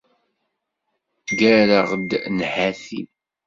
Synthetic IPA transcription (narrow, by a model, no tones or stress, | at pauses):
ɡæɾaʁd̪nhæθḭn